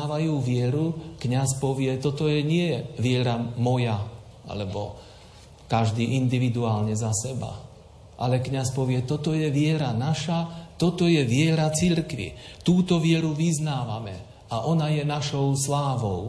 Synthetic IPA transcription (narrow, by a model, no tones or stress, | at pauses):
aːʋajuːʋɪɛɾukɲaspɔʋɪɛt̪ɔt̪ɔjɛɲɪɛjɛʋɪɛɾamɔja | a̰lɛbɔ̰ | kaʒd̪iːʔind̪iʋid̪uaːlɲɛzasɛba̰ | ʔalɛkɲaspɔʋɪɛt̪ɔt̪ɔjɛʋɪɛɾanaʃat̪ɔt̪ɔjɛʋɪɛɾat͡siɾkʋḭt̪uːt̪ɔʋɪɛɾuʋiznaːʋamɛ̰ | aʔɔnajɛnaʃɔʊslaːʋɔʊ